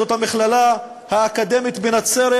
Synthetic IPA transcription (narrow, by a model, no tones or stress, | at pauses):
o̞t̪hamiχlala | haːkad̪e̞mit̪benat͡seɾe